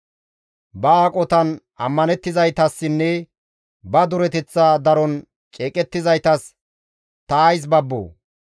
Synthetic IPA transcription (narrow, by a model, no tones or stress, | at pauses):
bɐaːkʼɔt̪ɐn | ɐ̰mːɐnɛt̪ːɪzɐjt̪ɐsːɪnːɛ | bɐd̪ʊɾɛt̪ɛt͡sːaːd̪ɐɾɔn | t͡ʃʼeːkʼɛt̪ːɪzɐjt̪ɐs | t̪ɐːjs̬bɐbːo̰ː